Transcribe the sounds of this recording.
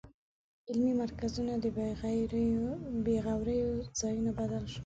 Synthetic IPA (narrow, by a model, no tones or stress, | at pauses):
ɪlmimaɾkazunad̪ə | beɣawɾəjoz̥ɑjunabad̪alʃu̥